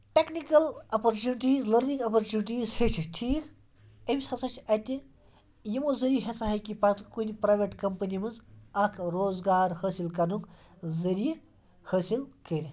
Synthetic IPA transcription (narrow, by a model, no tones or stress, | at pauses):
ʈeknikɐlɐpɐɾt͡ʃuniʈiːzləɾnĩŋɡɐpɐɾt͡ʃuːniʈiːzhet͡ʃʰiʈʰiːk | ɐmʲisʰɐt͡sʰɐt͡ʃʰɐt̪ʲi | jimozɐɾiɦesaɦɐjkipɐt̪kunipɾaːjʋeʈkɐmpɐnimɐzɐkʰɾoːzɡaːɾhəːsilkɐnuk | zɐɾij | həːsilkəɾʲi